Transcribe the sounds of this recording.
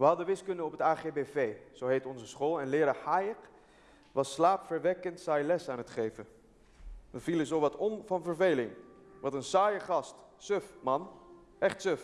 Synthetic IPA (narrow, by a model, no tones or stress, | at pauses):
ʋəɦɑdəʋɪskɵndəɔpətaːχebevejz̥owɦejtɔnzəsχoːlˠɛnlɪːɾahajək | ʋɑsːlaːpfəɹʋɛkəntsɛjlɛsaːnɦətχejvə | ʋəvilənzowʋɑtɔmvɑnvəɹvejlɪŋ | ʋɑtənsaːjəχɑst | søfmɑn | ʔɛχtsøf